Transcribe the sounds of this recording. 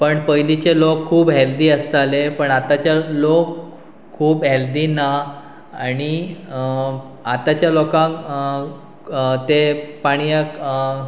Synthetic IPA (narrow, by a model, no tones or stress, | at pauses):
pəɳpəjlit͡ɕelokʰːuːbɦeld̪iːəst̪alepəɳat̪at͡ɕjalokʰː | uːbɦeld̪iːna | aɽ̃i | at̪at͡ɕjalokãk | t̪epaɽ̃ijək